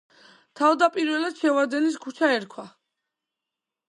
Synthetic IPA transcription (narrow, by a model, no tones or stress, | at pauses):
t̪ʰavd̪apʼiɾwɛlad̪ʃɛvad̪ɛnis̬kʰut͡ʃʰaɛɾkʰwa